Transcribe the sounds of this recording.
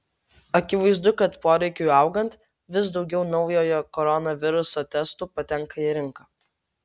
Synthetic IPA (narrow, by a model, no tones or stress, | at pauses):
ɐkʲɪʋɐɪzd̪ʊkɐt̪poːɾʲɛɪkʲuːɐˑʊɡɐnt̪ | ʋʲɪsd̪ɒʊɡʲɛʊnɒʊjoːjɛkɔɾɔnɐʋʲɪɾʊsoːt̪ʲɛst̪uːpɐt̪ʲɛŋˑkɐɪɾʲɪŋˑkɐː